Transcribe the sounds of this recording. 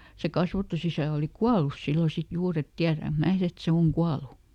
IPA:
se kɑsʋɑtusisæˑ oli kuɑlus silːo sit juːr et tiæræŋk mæː et se oŋ kuɑlu

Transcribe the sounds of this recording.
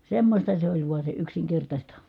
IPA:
semːosʲtɑ se olʲ ʋuɑ se yksiŋkertɑsʲtɑ

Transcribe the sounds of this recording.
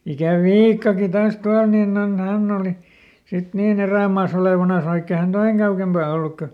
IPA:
jɑ sit ikæ ʋiːkːɑki tɑːs tuɑl ninː on hænː oˑli sit niːn eræˑmɑːs oleˑʋɑnɑs ʋɑikː e hæn toiŋ kɑukempɑˑ olːuk kø

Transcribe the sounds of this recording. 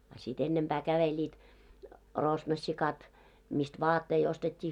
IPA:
ɑ sit enːemb̥æː kæʋelʲiːt rosnosːikɑt mist ʋɑːtːei ostetʲːiː

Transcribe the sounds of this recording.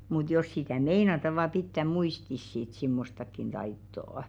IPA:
mut jos sitæˑ meinɑtɑ ʋɑˑ pitːæ muistis sit simːostɑkːin tɑitːoˑŏ

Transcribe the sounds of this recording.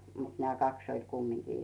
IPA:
mut nĕæˑ kɑks olʲ kumːiŋkiː

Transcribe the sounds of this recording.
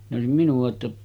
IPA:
ne oˑesim minuɑ tːɑ

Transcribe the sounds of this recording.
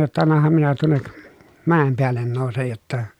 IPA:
jotːɑ ɑnːɑhɑm minæ tuonːek mæˑem peælːen noˑusej jotːɑ

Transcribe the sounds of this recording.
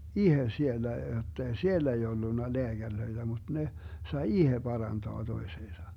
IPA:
ihe sielːæ jotːei sielːæ̆ ei olːunːɑ leæɡ̊ærløid̥æ mud̥ ne sɑi ihe pɑrɑntoɑ toiseːsɑ

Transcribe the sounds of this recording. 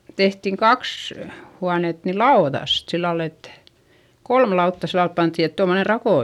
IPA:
tehtiŋ kɑks huɑnet ni lɑoðɑst silːɑl et kolm lɑutːɑ silːɑl pɑntːiˑ et tomːone rɑkoˑ

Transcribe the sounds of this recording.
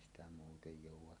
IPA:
sitæ muːtej joˑuwˑɑ

